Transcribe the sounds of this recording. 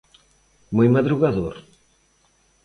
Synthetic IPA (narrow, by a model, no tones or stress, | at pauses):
mujmɐðɾuɣaðoɾ